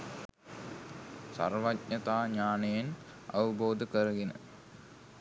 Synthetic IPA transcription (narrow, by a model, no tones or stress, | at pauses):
sa̰rʋatɲɐt̪aːɲaːnejen | ɐ̰ʋəboːd̪əkəɾəɡenə̰